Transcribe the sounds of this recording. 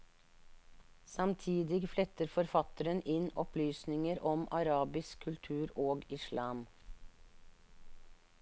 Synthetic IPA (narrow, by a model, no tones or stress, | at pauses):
sɑmt̪ʰiːd̪ɪɡflɛt̪əɾfɔɾfɑt̪əɾənʔɪnɔplyːsnɪŋəɾʔɔmɑɾɑːbɪskʰːʉlt̪ʰʉːɾoːɡɪʃlɑːm